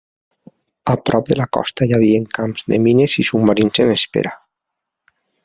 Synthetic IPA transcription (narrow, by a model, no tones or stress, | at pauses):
apɾɔp̚d̪elakɔ̰st̪ajaβ̞ieŋkamzðeminesisumːaɾinsenespḛɾa